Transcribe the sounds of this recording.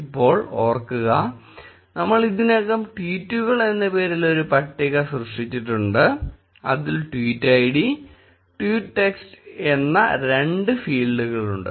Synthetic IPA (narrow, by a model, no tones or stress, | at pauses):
ipːo̞ːɭoːrkːuɣɐ | nɐmːɐɭiðinekːɐmʈwiːtːuɣɐɭe̞nːɐpe̞ːɾilːo̞ɾupɐʈːiɣɐsrɨʂʈit͡ɕːiʈːuɳɖɨ | ɐ̰ðilʈwiːtːɐjiɽi | ʈwiːʈʈːekste̞nːɐ̰ɾe̞ɳɖɨfiːɭɖuɣɐɭuɳɖɨ̰